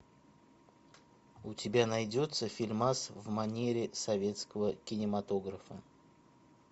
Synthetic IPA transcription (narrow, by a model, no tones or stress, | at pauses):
ʊtʲɪbʲanɐjdʲo̞t̪səfʲɪlʲmasvmɐnʲeɾʲɪsɐvʲe̞t̪skəvəkʲɪnʲɪmɐt̪o̞ɡɾəfə